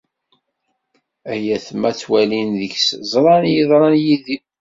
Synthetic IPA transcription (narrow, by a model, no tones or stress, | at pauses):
æjæθmæθwælinðəçszˤɾˤɑnjiðˤɾˤɑnjiði